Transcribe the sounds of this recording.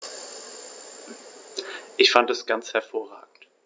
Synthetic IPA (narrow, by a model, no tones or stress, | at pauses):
ʔɪçfantɛsɡ̥ant͡shɛɐfoːɐʁaːɡŋ̩t